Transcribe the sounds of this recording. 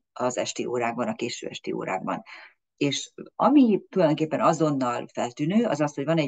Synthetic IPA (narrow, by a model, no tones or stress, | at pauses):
ɒzɛ̰ʃt̪iːʔo̰ːɾaːɡ̚bɒnɒkeːʃø̰ːɛ̰ʃt̪ḭːo̰ːɾa̰ːɡ̚bɒ̰n | eːʃɒmit̪ulɒjd̪o̞ŋkeːpːɛnɒzo̞nːɒlfɛlt̪yːnøːɒzɒst̪ho̞ɟvɒnɛ